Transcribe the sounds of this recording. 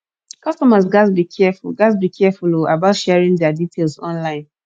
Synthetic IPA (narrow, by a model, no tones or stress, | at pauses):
kʌstɔmazɡasbikʰɛfulɡasbikʰɛɛfuloa̰baʊtʃɛɛɹĩŋdɛaditʰelsɔ̃nlãɪ̃n